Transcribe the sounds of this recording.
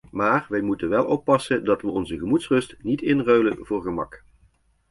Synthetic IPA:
maːrʋɛjmutənʋɛlˠʔɔpːɑsəndɑtʋəɔnzəɣəmutsrɵstnitɪnrøɥlənvʊːɹɣəmɑ̰k

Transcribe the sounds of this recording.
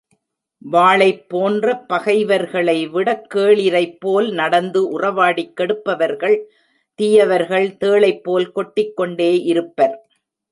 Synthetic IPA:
ʋaːɭɐɪpːoːndrɐpːɐɣɐɪʋɐɾɣɐɭɐɪʋɪɽɐkːeːɭɪɾɐɪpːoːlnɐɽɐnd̪ɯʔʊrɐʋaːɽikːɛɽɯpːɐʋɐɾɣɐɭ | t̪ijɐʋɐɾɣɐɭt̪eːɭɐɪpːoːlkɔʈːɪkːɔɳɖeːʔɪɾɯpːɐɾ

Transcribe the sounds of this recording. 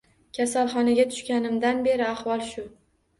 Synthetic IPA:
kʲʰasalˠχɒnaɡʲat̪ʰʊ̥ʃkʲanɪmd̪anbe̞ɾɪahvɒlˠʃʊ

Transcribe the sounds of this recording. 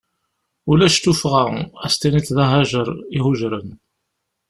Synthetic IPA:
ulæʃt̪ufʁaæst̪æniθðɑɦæʒəɾˤihʊʒɾən

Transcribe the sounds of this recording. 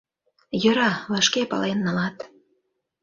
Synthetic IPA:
jɤ̆ɾɑβɑʃkepɑ̰lenːɑlɑt̪

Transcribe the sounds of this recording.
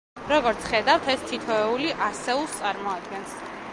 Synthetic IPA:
ɾɔɡɔɾt̪sʰχɛd̪awt̪ʰɛst̪ʰit̪ʰɔɛuliʔasɛulˠst̪sʼaɾmɔad̪ɡɛns

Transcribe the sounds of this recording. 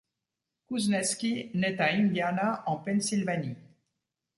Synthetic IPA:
kuznɛskʲinɛt̪ainvjanaʔɑ̃pɛnsilvani

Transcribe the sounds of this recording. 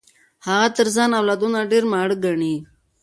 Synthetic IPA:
haɣat̪əɾzaːnawlaːd̪unaɖeɾmaːɽəɡaɳiː

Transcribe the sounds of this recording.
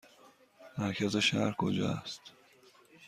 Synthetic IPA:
mæɾkʰæzeʃæɾkʰo̰d͡ʒɒ̰st̪

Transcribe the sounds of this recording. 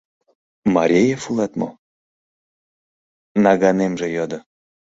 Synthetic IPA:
mɑɾʲejefulˠɑt̪mo̰ | nɑɣɑnemʒĕjɑd̪ɤ̆

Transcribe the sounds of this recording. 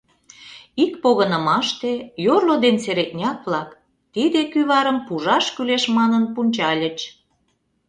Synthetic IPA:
ikpoɣənə̆mɑʃt̪ejorlod̪ent͡seɾet̪nʲɑkβlɑk | t̪id̪ekyβɑɾəmpuʒɑʃkyleʃmɑnənpunʲt͡ɕɑlʲət͡ɕ

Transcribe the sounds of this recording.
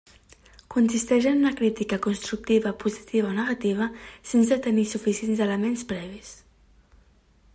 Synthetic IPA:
kunsist̪ɛʒənunəkɾit̪ikəkunst̪ɾuk̚t̪iβəpuzit̪iβ̞ɐonəɣat̪iβ̞əsens̬ət̪ənisufisienzd̪ələmenspɾɛβ̞is

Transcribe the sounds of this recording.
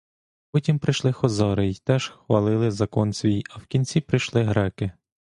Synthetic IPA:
pɔtʲimpɾɪjʃlˠɪxɔzɑɾɪjt̪ɛʒ̥xʋɐlˠɪlˠɪzɐkɔnsʲʋʲijɐwkʲinʲt͡sʲipɾɪjʃlˠɪɦɾɛkɪ

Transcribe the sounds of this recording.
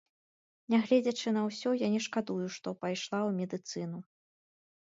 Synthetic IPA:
nʲaɣlʲɛd͡zʲɐt͡ʂɨnɐwsʲɔjanʲɛʂkad̪ujuʂt̪ɔpajʂlˠawmʲɛd̪ɨt̪sɨnu

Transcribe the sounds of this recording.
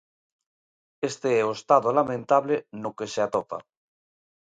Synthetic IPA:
est̪eɛoest̪aðolamẽnt̪aβlenokeseat̪opa̰

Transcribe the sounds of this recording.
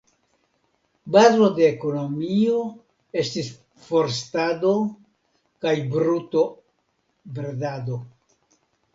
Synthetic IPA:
bazo̞deːko̞no̞mio̞ | e̞stis | fo̞ɾstado̞ | kajbɾuto̞ | bɾedado̞

